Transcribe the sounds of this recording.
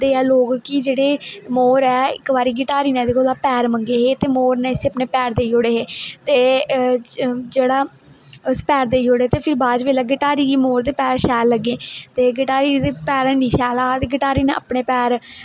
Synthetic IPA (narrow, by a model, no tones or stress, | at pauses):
d̪eːɛːloːkkid͡ʒeːɽeːmoːɾɛːɪ̰kʋaːɾiːɡɪʈaːɾiːnɛ̃ːd̪ekolaːpɛːɾməŋɡeːɦeːt̪eːmoːɾnɛ̃ɪseəpneːpɛːɾd̪eːioːɽeːɦeːt̪eː | d͡ʒeːɽaː | spɛːɾd̪eːioːɽeːt̪eːpʰɪɾbaːd͡ʒʋeːlaːɡɪʈaːɾiːɡiːmoːɾd̪eːpɛːɾʃɛːlːəɡẽːt̪eːɡɪʈaːɾiːd̪eːpɛːɾɛnĩːʃɛːlaːt̪eːɡɪʈaːɾiːnḛə̰pɳeːpɛːɾ